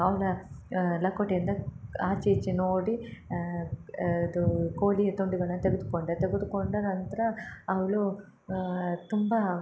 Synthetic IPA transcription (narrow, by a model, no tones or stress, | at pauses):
ɐwlɐlɐkːoʈend̪ɐaːt͡ʃit͡ʃːinoːɽi | d̪ukoːliɐt̪oɳɖiɡɐɭɐnt̪eɡut̪ukoɳɖɐt̪eɡut̪ukoɳɖɐnɐnt̪ɐɾɐːwlu | t̪umba